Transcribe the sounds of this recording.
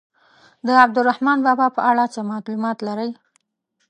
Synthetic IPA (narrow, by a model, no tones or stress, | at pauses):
d̪əab̚d̪ʊɾahmɑnbɑbɑpəʔaɽat͡səmɑt̪lumɑt̪laɾəj